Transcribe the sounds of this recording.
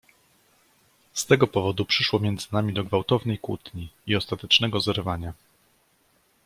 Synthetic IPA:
st̪ɛɡɔpɔvɔd̪upʂɘʂwɔmʲjɛnd̪zɘnamʲid̪ɔɡvawt̪ɔvnɛjkwṵt̪ɲiiɔst̪at̪ɛt͡ʂnɛɡɔzɛɾvaɲa

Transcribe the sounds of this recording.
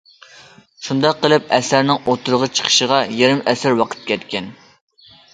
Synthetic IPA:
ʃund̪ɑqːəlˠɨp̚ɛsæɾnɪŋot̪ʰʊɾəʁət͡ʃʰə̥qʰə̥ʃəʁɑjeɾɪmɛsæɾwɑqʰə̥t̪̚kʲʰɛt̪̚kʲɛn

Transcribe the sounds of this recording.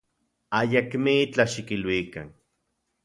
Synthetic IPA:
ajakmiit͡ɬaʃikilwika̰n

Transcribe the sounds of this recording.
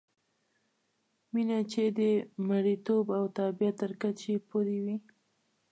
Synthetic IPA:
minat͡ʃed̪əmaɽit̪obawt̪ɑbijat̪ːəɾkat͡ʃepoɾiwi

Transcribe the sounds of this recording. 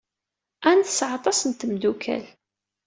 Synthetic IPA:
ænθəsʕɑt̪ˤɑsənt̪əmd̪ukʰæ̰l

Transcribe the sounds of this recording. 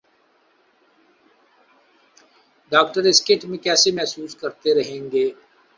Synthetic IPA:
ɖaːk̚ʈəɾɪskɪʈmẽkɛːsemɛɦsuːskɐɾt̪eɾɐɦẽːŋɡeː

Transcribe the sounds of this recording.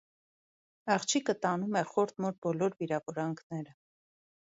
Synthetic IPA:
ɑχt͡ʃʰikət̪ɑnumɛχɔɾt̪̚mɔɾ̚bɔlɔɾviɾɑvɔɾɑŋkʰnɛɾə

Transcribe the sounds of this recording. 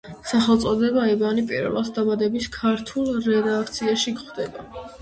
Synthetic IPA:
saχɛlˠt̪sʼɔd̪ɛbaɛbanipʼḭɾvɛ̰lˠa̰sd̪abad̪ɛbiskʰaɾt̪ʰulˠɾɛd̪ak̚ʰt̪sʰiaʃikχd̪ɛba

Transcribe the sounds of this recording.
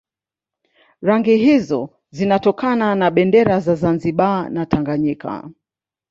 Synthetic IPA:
ɾaŋɡiɦizɔ | zinatɔkananaɓɛndɛɾazazanziɓanatʰaŋɡaɲika̰

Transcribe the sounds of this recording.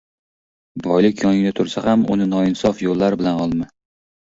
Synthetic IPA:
bɒjlɪkʲjɒŋɪnɪt̪ʰʊɾsahamʊ̰nɪnɒɪnsɒfjolːaɾbɪlanɒlˠmɪ

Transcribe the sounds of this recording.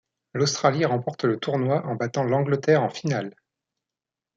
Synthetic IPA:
lost̪χaliʁɑ̃pɔʁt̪lət̪uʁnwaʔɑ̃bat̪ɑ̃lɑ̃ɡlət̪ɛʁɑ̃final

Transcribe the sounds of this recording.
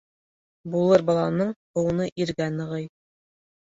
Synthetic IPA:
bulˠɤɾbɑlˠɑnɤɴ | ŏwɤ̆nɤʔiɾɡænɤ̆ʁɤj

